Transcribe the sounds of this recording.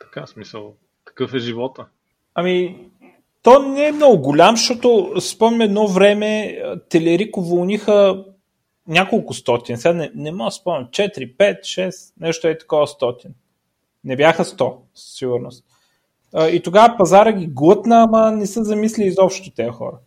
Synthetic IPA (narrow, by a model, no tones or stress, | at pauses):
t̪ɐ̥kasmisəlˠ | t̪ɐ̥kɤfɛʒivɔt̪ə | ɐmi | t̪ɔnɛɛmnɔɡʊɡʊlʲamʃt̪ɔt̪ospɔmnʲɐɛd̪nɔvɾɛmɛət̪ɛlɛɾikʊvolˠnixə | nʲakolˠkʊst̪ɔt̪insɛɡanɛnɛmɔɡəspɔmnʲɐt͡ʃɛt̪ɾipɛt̪ʃɛsnɛʃt̪oɛt̪ɐ̥kɔvəst̪ɔt̪in | nɛbjaxəst̪ɔ | sə̥sːiɡʊɾnost̪̚ | əit̪oɡavəpɐzaɾəɡʲiɡlˠət̪nəːmɐnɛsəzɐmislʲiːzɔpʃt̪ot̪ɛɐxɔ̰ɾə